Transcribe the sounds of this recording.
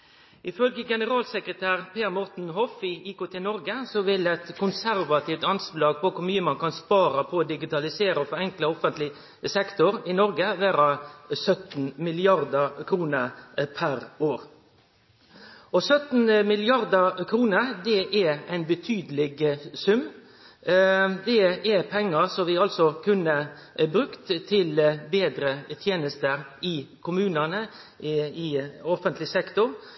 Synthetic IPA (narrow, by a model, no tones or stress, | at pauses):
ʔɪfœlɡəɡɛnəʁɑːlsəkʁət̪ʰæːʁpʰeːɾmɔʁt̪n̩ɦɔfɪʔiːkʊt̪ʰeːnɔɾɡəsɔʋɪlɛt̪kʰʊnsæɾʋɑt̪ʰiːft̪ɑnslɑːɡ̚pʰɔkʰʊɾmyːəmɑnkʰɑnspɑːɾɑpʰɔoːd̪ɪɡɪt̪ɑlɪseːɾəfɔɾɛŋkləɔfənt̪lɪ | sɛkt̪ʊɾɪnɔɾɡəʋæːɾɑsœt̪n̩mɪlɪɑɾd̪əkʰɾuːnəpʰæɾoːɾ | ɔsœt̪n̩mɪlɪɑɾd̪əɾkʰɾuːnəɾd̪ɛʔɛæɪnbət̪ʰyːd̪lɪɡsʉmː | d̪ɛɛpʰɛŋːəɾsɔʋɪɑlsɔkʰʉnːə | bɾʉkt̪t̪ʰːɪlbeːd̪ɾət̪ʰjeːnəst̪əɾɪkʰʊmʉːnənə | ɪɔfənt̪lɪsɛkt̪ʊɾ